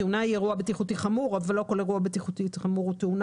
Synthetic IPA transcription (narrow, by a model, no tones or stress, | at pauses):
eunaijeʁuabet̪iχutiχamuʁavalːo̞ko̞leʁuabet̪iχut̪itχamuʁut̪eun